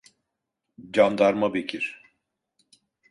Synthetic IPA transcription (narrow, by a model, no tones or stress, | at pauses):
d͡ʒamd̪aɾmabecʰiɾ̥